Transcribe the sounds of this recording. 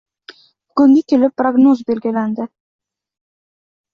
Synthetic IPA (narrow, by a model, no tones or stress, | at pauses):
bɡɵŋɡekʲelɪpːroɡnozbelɡɪlænd̪ɪ